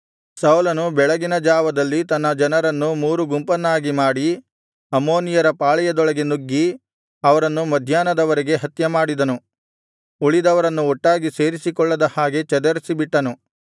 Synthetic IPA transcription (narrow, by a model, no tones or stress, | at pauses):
sɐwlɐnubɛɭɐɡinɐd͡ʒaːʋɐd̪ɐlːit̪ɐnːɐd͡ʒɐnɐɾɐnːumuːɾuɡumpɐnːaːɡimaːɽi | ɐmo̞ːnijɐɾɐpaːɭɛjɐd̪ɔɭɐɡenuɡːi | ɐʋɐɾɐnːumɐd̪ʱjaːnɐd̪ɐʋɐɾeɡe̞ɦɐt̪jɐmaːɽid̪ɐnu | uɭid̪ɐʋɐɾɐnːuɔʈːaːɡise̞ːɾisikɔɭːɐd̪ɐhaːɡe̞t͡ʃɛd̪ɐɾisibiʈːɐnu